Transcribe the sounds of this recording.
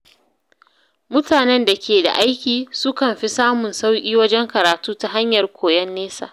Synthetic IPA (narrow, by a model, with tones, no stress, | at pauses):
mʊ˦taː˨nɛ˦nda˨kʲeː˨da̰˨ʔa˦jkʲiː˨sʊ˦kɐ˨mɸi˦saː˦mʊ˨nsa˦wkʲʼiː˦wɐ˦d͡ʒɛ˦ŋkɐ˨ɾaː˨tuː˦ta˨ɦa˦ɲjɐ˨rkʷʰoː˨jɛ˦nːeː˦sa̰ː˨ʔ